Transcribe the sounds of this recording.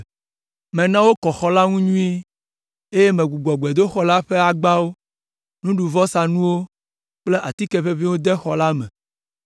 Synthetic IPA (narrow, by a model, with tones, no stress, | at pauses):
mɛ̃˨nã˦wo˦kɔ˨xɔ˨la˦ŋũ˦ɲũ˦i˦ | e˦je˦mẽ˨ɡu˨ɡ͡bɔ˨ɡ͡bɛ˨d̪o˦xɔ˦la˦ɸe˦a˨ɡ͡ba˦wo˦ | nũ˦ɖu˨vɔ˦sa˨nũ˦wo˦ | k͡ple˦ʔa˨t̪i˦kɛ˦ɸe˦vi˦wo˦d̪ɛ˦xɔ˨la˦mɛ̃˨